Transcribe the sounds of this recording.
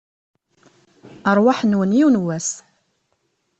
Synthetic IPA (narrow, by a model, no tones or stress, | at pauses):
əɾˤwaħnwənjiwnwæs